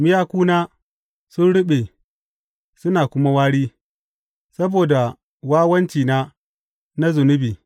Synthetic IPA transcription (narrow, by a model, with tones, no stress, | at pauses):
mɪ˦jaː˦kʷuː˦naː˦ | sʊ˦nɽʊ˦ɓe˨ | sʊ˦naː˨kʷʊ˦ma˦waː˦ɽiː˦ | sɐ˦boː˨da˨ | waː˦wɐ˦nt͡ʃiː˨naː˦ | na˦zʊ˨nʊ˦biː˨